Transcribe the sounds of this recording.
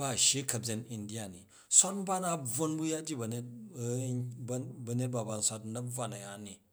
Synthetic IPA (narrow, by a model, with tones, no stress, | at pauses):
ba˦˨ʃe˦kɐ˨bd͡ze˨ni˨ndi˦ja˨nḭ˨ | sʷa˦n˦ba˦na˦b͡vo˦nbu˦ja˦d͡ʒi˦˨bɐ˨ne˦t̚ | bɐ˨ne˦t̚ba˨ba˨n̩˨sʷa˦tnɐ˦bb͡va˨nɐ˨ja˨˦ni˨